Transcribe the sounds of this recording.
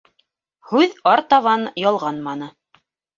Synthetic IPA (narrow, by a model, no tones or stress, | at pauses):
hʉðɑɾt̪ɑβɑnjɑlˠʁɑnmɑnɤ